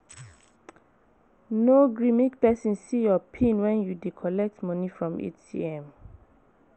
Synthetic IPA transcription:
noɡɹimik̚pɛsĩnssijɔpʰĩnwɛ̃njudikʰɔlɛk̚tmɔnifɹɔ̃mḛt͡ʃḭɛ̃m

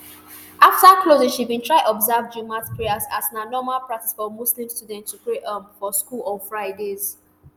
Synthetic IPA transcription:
ʔaftaklozɪ̃ŋʃivbĩntʰɹaɪʔɔbzavd͡ʒumatpʰɹeaza̰snanɔmalpɹak̚tisfɔmuslĩmstudɛ̃nttːupɹeʔəbfɔskulɔfɹaɪdez

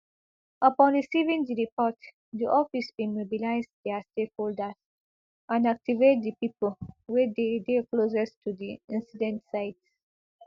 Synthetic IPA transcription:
ʔapɔ̃nɹisivĩŋd̪iɹipɔt | diʔɔfisĩmobilaɪzd̪ɛastekholdəz̥ | ʔãnak̚tivet̚d̪ipiplwɛdedeklozəstʰudiĩnsidɛ̃ntsaɪts

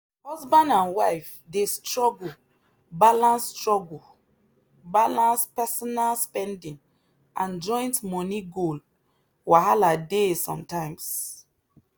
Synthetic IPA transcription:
hɔzbãndãnwaɪf | destɹɔɡul | balãnsːtɹɔɡl | balãnspɛsɔnalspɛ̃ndĩŋ | ʔãnd͡ʒɔ̃ɪ̃ntmɔniɡol | waɦaladesɔ̰̃mtãɪ̃ms

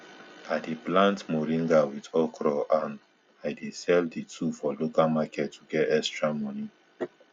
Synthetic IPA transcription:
adiplãntmoɹĩŋɡawidɔkɾɔʔãn | ajdesɛlditʰufɔlokalmakɛtːuɡɛtɛstɹamɔ̃ni

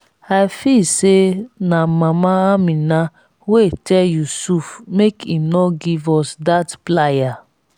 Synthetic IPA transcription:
ajfisenamãmaamĩna | wetɛljusufmekinɔɡivɔsdatplaja

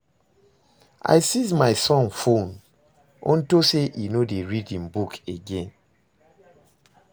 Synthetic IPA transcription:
ʔa̰ɪsizmaɪsɔ̃nfõn | ʔɔ̰̃ntoseʔinodeɹidĩnbukeɡɛ̃n

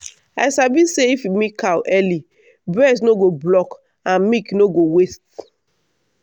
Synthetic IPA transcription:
asabiseifimĩkawʔɛli | bɹɛsnoɡoblɔk | ãnmiknoɡowest̚

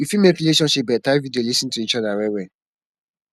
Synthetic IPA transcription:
wifimekɾileʃɔ̃nʃip̚bɛtaɪvidiolisĩntuit͡ʃɔdawɛwɛ

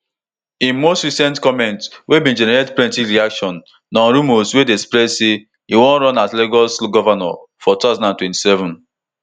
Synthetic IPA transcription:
ĩnmostɹisɛ̃ntkɔmɛ̃ntswebĩnd͡ʒɛnɛɹedpɹɛ̃ntiɾiakʃɔ̃nː | ɔ̃nɾumoswedespɾɛdse | iwɔ̃nɾɔ̃natleɡɔsɡɔvanɔ̰fɔtuazãnãntwɛ̃nti̥sɛvɔ̃n

